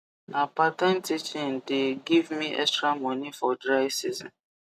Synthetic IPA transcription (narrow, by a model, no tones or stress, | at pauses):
napatɛ̃ntʰit͡ʃĩndeɡivmiʔɛ̰kstɹamɔ̃nifɔdɹaɪsizɔ̰̃n